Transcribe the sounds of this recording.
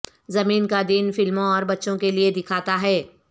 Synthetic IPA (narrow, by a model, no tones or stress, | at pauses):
zɐmiːnkad̪iːnfɪlmõɔːɾbɐtːʃõkelied̪ɪkʰaːt̪aɦɛː